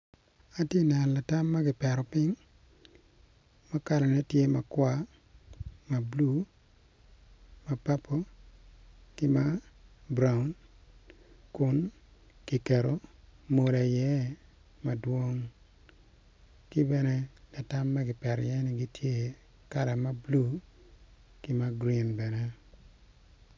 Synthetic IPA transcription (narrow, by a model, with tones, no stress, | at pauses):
a˨tje˦nɛ˨n˨la˨ta˦mːa˦ɡɪ˨pɛ˨ɾɔ˨pɪ˦ŋ | ma˦ka˨ɾa˨nɛ˦tje˦ma˨kwa˦ | ma˨blu˦ | ma˨pa˦pʰo˦ | kɪ˦ma˦bɾa˦ʊ˦n | kʊ˦n | ki˨kɛ˨ɾo˨mo˨la˨jɛ˦ | ma˨dwo˦ŋ | kɪ˦bɛ˦nɛ˦la˨ta˦mːɛ˦ɡɪ˨pɛ˨ɾjɛ˦nɪ˦ɡi˦tʰje˦ | ka˦la˨ma˦blu˦ | kɪ˦ma˦ɡɾi˨nbɛ˨nɛ˦